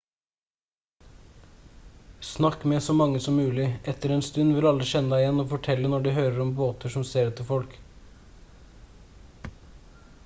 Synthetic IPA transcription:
snɑkmeːsɔmɑŋəsɔmmʉːlɪɛt̪əɾeːnst̪ʉnʋɪlɑlɾɪʃɛnɑɪjɛnoːfɔʈʰɛlənɔɖʉːhøːɾəɾɔmboːt̪əʂɔmseːɾʉt̪ʰːɪfɔlk

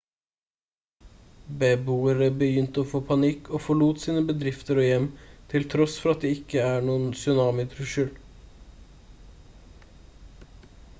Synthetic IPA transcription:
bɛbuːəɾəbəjʏnt̪əoːfoːpʰɑnɪkʰːoːfɔɭuːt̪siːnəbəd̪ɾɪft̪əɾoːjɛmt̪ʰɪlt̪ʰɾɔsfɔɾɑt̪̚d̪ɛːɪkːəæːɳuːənsʏnɑːmɪt̪ʰɾʊʃʉːl

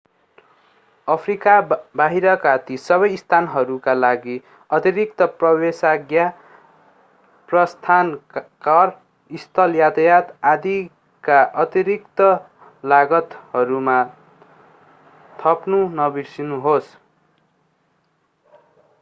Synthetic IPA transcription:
ʌpʰrikabaɦiɾʌkat̪isʌβʌjist̪ʰanɦʌɾukalaɡi | ʌt̪iɾik̚t̪ʌprʌbesaɡja | prʌst̪ʰankʌr | ist̪ʰʌljat̪jat̪ad̪i | kaʔʌt̪iɾik̚t̪ʌ | laɡʌt̪hʌɾuma | t̪ʰʌpnunʌbisinuɦos

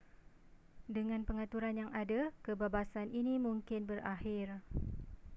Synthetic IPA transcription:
dəŋãnpəŋat̪uɾanjaŋadakəbabasanʔinimũŋkɪnbərahɪr

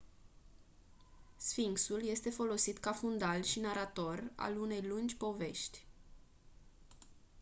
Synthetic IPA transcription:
sfiŋksulje̞st̪e̞fo̞lo̞sit̪kafund̪alʃinaɾat̪o̞ra̰lune̞jlund͡ʒʲpo̞ve̞ʃt̪ʲ

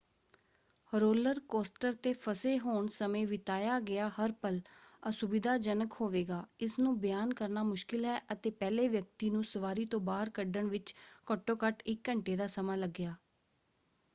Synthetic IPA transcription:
ɾoːləɾkoːsʈəɾt̪eːpʰəseːɦoːɳsəmẽːʋɪt̪aːjaːɡɪaːhəɾpələsʊbɪd̪aːd͡ʒənəkhoːʋeːɡaːɪsnũːbəjaːnkəɾnaːmʊʃkɪlɦɛːʔət̪eːpɛːleːʋjək̚t̪iːnũːsəʋaːɾiːt̪õːbaːɦəɾkəɖəɳʋɪt͡ʃkəʈːõːkəʈɪkːəɳʈeːd̪aːsəmãːləɡːɪjaː

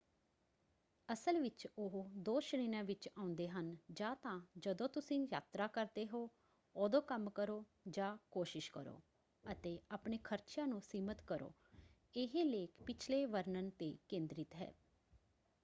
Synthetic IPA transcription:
əsəlʋɪt͡ʃʊɦd̪oːʃniːnãːʋɪt͡ʃaːʊ̃nd̪eːɦənd͡ʒãːt̪ãːd͡ʒəd̪õːt̪ʊsĩːja̰ːt̪ɾaːkəɾd̪eːɦoː | oːd̪õːkəmkəɾoː | d͡ʒãːkoːʃɪʃkə̰ɾo̰ː | ət̪eːaːpɳeːkʰəɾt͡ʃjãːnũːsiːmət̪kəɾo̰ː | ɪɦeːleːkpɪt͡ʃʰleːʋəɾnənt̪eːkẽːnd̪ɾɪt̪ɦɛ̰ː

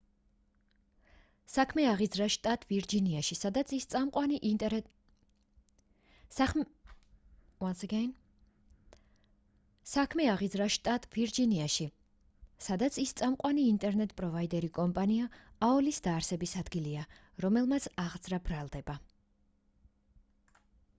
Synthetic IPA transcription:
sakʰmɛaʁid̪zɾaʃt̪ʼat̪ʼviɾd͡ʒiniaʃisad̪at̪ʰist̪ʼaqʼwan | ansɛɡɛn | sakʰmɛaʁid̪zɾaʃt̪ʼat̪ʼviɾd͡ʒiniaʃi | sad̪at̪sʰist̪sʼamqʼwaniːnt̪ʼɛɾnɛt̪ʼpʼɾɔvaid̪ɛɾikʼɔmpʼaniaaɔlisd̪aːɾsɛbisad̪ɡilia | ɾɔmɛlˠmat̪sʰaʁd̪zɾabɾalˠd̪ɛba

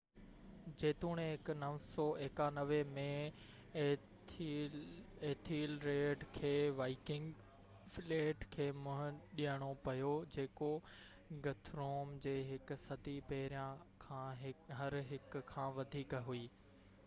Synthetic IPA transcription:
d͡ʑeːt̪uːɽ̃eɦɪknɐʋsɔːeːkanɐʋemẽ | eːt̪ʰiːlɾeːɖkʰeːʋaːɪkɪ̃ŋɡ | fleːʈkʰeːmʊ̃ɦɗijəɽ̃opɐjod͡ʑeːko | ɡɐt̪ʰɾoːmd͡ʑeːɦɪksɐd̪ʱipɐɦɪɾijãkʰãːɦɦɐɾɦɪkkʰãːʋɐd̪ʱiːkɦuiː

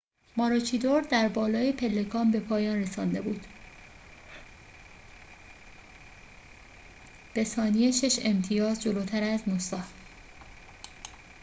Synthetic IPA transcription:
mɒːɾot͡ʃʰid̪o̞ɾd̪æɾbɒːlɒːjepʰe̞lːe̞kʰɒːmbe̞pʰɒːjɒːnre̞sɒːnd̪e̞buːd̪̥ | b̥e̞sɒːnijeʃe̞ʃe̞mt̪ʰijɒːzd͡ʒoloːt̪ʰæɾæznusɒːh

